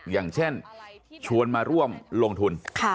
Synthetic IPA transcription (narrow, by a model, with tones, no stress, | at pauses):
jaː˨˩ŋt͡ɕʰe˥˩nt͡ɕʰu˧ənmaː˧ɾu˥˩əmloː˧ŋt̪ʰu˧nkʰa˥˩